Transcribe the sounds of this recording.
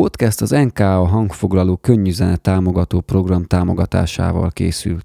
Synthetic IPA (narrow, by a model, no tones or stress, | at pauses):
po̞t̪kɛst̪ɒzɛŋkaːɒɦɒŋkfo̞ɡlɒloːkø̞ɲːyzɛnɛt̪ːaːmo̞ɡɒt̪oːpro̞ɡrɒmt̪aːmo̞ɡɒt̪a̰ːʃa̰ːvɒ̰lkḛːsy̰lt̪